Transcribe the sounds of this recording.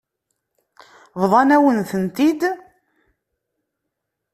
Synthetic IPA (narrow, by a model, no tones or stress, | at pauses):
vðˤɑnæwənθənt̪id̪